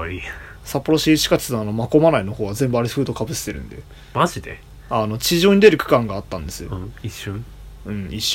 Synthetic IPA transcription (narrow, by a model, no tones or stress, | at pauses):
i | sapːo̞ɾo̞ɕiɕi̥kat͡ɕnoano̞mako̞manaino̞ho̞ːɡazẽ̞mbɯ̟aɾeɸɯ̟ːd̪o̞kabɯ̟sɨ̥t̪e̞ɾɯ̟̰̃nd̪e̞̰ | maʑid̪e | ano̞t͡ɕiʑo̞ːɲ̟id̪e̞ɾɯ̟kɯ̟̥kãŋɡaːt̪ːã̰nd̪e̞sɨjõiɕːɨ̃ | ɯ̟̃ɴiɕː